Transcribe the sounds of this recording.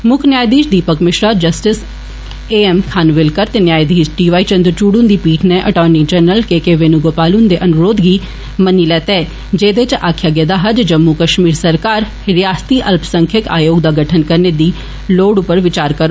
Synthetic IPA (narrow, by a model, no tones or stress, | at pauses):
mʊkʰnjaːjd̪iːd͡ʒd̪iːpəkmɪʃɾaːd͡ʒəsʈɪs | eːɛmkʰaːnʋɪlkəɾt̪enjaːjd̪iːd͡ʒɖiːʋaːit͡ʃə̃nd̪əɾt͡ʃuːɽund̪iːpiːʈʰneʔəʈɔːnid͡ʒɛːnəlkeːkeːʋeːnũːɡoːpaːlʊnd̪eːʔənʊɾoːd̪ɡiː | məniːlɛːt̪ɛː | d͡ʒeːd̪et͡ʃʔaːkʰjaːɡɛːd̪aːɦəd͡ʒd͡ʒəmːukəʃmiːɾsəɾkaːɾ | ɾɪjaːst̪iːʔəlpsəŋkʰjəka̰ːjoːɡd̪aːɡəʈʰənkəɾneːd̪iː | loːɽʊpːəɾʋɪt͡ʃaːɾkəɾoː